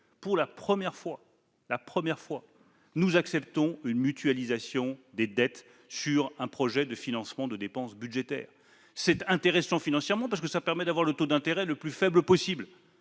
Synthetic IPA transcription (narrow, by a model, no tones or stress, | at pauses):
puʁlapχəmjɛʁfwa | lapχəmjɛʁfwa | nuzaksɛpt̪ɔ̃ynmyt̪ɥalizasjɔ̃d̪ed̪ɛt̪ | syʁɛ̃pχɔʒɛd̪əfinɑ̃smɑ̃d̪əd̪epɑ̃sbyd̪ʒet̪ɛ̰ːʁ | sɛt̪ɛ̃t̪eʁɛsɑ̃finɑ̃sjɛʁmɑ̃paʁsəkəsapɛʁmɛd̪avwaʁlət̪od̪ɛ̃t̪eʁɛləplyfɛbləpɔsibl